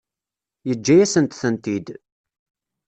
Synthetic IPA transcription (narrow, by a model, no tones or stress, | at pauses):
jəd͡ʒːæjæsənt̪θənt̪id̪